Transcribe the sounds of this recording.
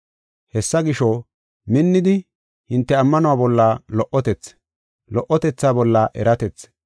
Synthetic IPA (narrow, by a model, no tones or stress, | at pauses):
hɛsːɐɡɪʃɔ | mɪnːɪd̪ɪ | hɪnt̪ːɛɐmːɐnʊwaːbɔlːalɔʔɔt̪ɛt͡sː | lɔʔɔt̪ɛt͡sːaːbɔlːaʔɛɾɐt̪ɛt͡sː